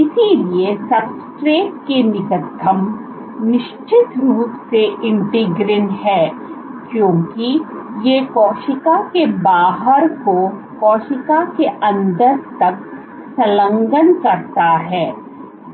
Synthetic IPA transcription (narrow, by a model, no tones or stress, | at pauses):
ɪsiliesɐbsʈɾeːkenɪkəd̪ʱːəm | nɪʃt͡ʃɪt̪ɾuːpseɪ̃ɳʈɪɡɾɪnɦɛːkjõːkijekɔːʃɪkakebaːɦəɾko | kɔːʃɪkakeʔɐ̃nd̪əɾt̪ɐk̚ | sɐlə̃ŋɡənkɐɾt̪aɦɛː